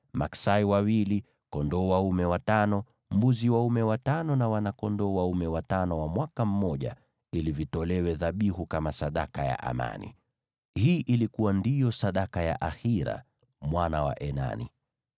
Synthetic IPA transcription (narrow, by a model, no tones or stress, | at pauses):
maksaiwawili | kɔndɔwaumɛwatanɔ | mbuziwaumɛwatanɔnawanakɔndɔwaumɛwatanɔwamwakam̩mɔʄa̰ | ilivitɔlɛwɛðaɓihukamasaɗa̰kaja̰ʔa̰ma̰nḭ | hiːʔilikuwandijɔsaɗakaja̰ʔaxiɾa̰ | mwanawa̰ʔɛna̰nḭ